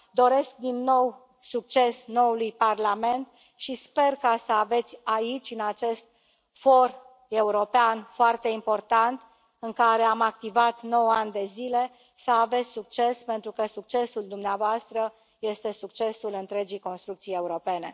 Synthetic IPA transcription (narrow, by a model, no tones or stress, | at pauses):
d̪o̞ɾe̞sk̚d̪inːo̞w | suk̚t͡ʃe̞sno̞wulujparlame̞nt̪ | ʃispe̞rkasəave̞t̪sʲait͡ʃʲɨnat͡ʃe̞st̪̚ | fo̞r | e̞uɾo̞peanfoart̪e̞impo̞rt̪ant̪ | ɨŋkaɾe̞amak̚t̪ivat̪no̞wand̪e̞zile̞ | səave̞t̪sʲsuk̚t͡ʃe̞spe̞nt̪ɾukəsuk̚t͡ʃe̞suld̪umneavoast̪ɾə | je̞st̪e̞suk̚t͡ʃe̞sulɨnt̪ɾe̞d͡ʒijko̞nst̪ɾukt̪sije̞uɾo̞pe̞ne̞̰